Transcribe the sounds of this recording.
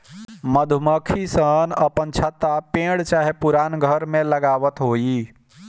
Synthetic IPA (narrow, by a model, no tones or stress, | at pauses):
məd̪ʱuməkʰisənəpənt͡ʃʰət̪apẽːɽt͡ʃaːɦepʊɾaːnɡʱəɾmẽləɡaːʋət̪ɦoːiː